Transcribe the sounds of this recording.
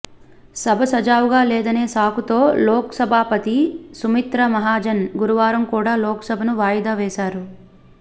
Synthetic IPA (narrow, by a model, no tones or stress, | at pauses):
sɐbʱɐsɐd͡ʒaːʋuɡaːlɛːd̪ɐne̞ːsaːkut̪o̞ːlɔːkɐ̥sɐbʱaːpɐt̪isumit̪ɾɐmɐɦaːd͡ʒɐnɡuɾuʋaːɾɐmkuːɽaːlɔːkɐ̥sɐbʱɐnuʋaːjɐd̪aːʋɛːsaːɾu